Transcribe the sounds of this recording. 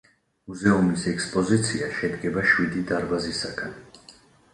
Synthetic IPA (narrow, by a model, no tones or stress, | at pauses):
muzɛumisɛkspʼɔzit̪sʰiaʃɛd̪ɡɛbaʃwid̪id̪aɾbazisaɡan